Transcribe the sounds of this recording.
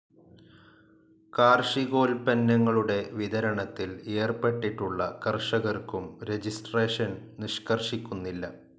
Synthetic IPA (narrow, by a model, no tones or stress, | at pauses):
kaːrʂiɡo̞ːlpɐnːɐŋːɐɭuɽe̞ʋid̪ɐɾɐɳɐt̪ːileːrpeʈːiʈːuɭːɐkɐrʂɐɣɐrkumɾe̞d͡ʑisʈre̞ːʂɐnniʂkɐrʂikʲːunːilːɐ